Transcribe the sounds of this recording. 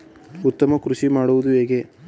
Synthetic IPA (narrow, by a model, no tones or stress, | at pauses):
ut̪ːɐmɐkɾuʃimaːɽuʋud̪uɦe̞ːɡe̞